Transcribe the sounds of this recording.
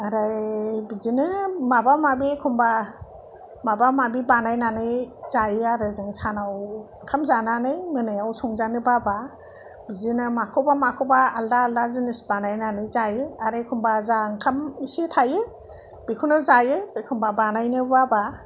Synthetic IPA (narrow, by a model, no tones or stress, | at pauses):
aɾajbizinɯmabamabikʰumba | mabamabibanajnanɯjz̥ajɯaɾɯzɯŋsanaw | kʰamzananɯjmɯnɯjawsɔŋzanɯbaba | bizinɯmakʰɯwbamakʰɔwbaːldaːldazɯnisbanajnanɯjzajɯaɾajkʰumbazaŋkʰamisitʰajɯ | b̥ikʰunɯzajɯkʰumbabanajnɯbaba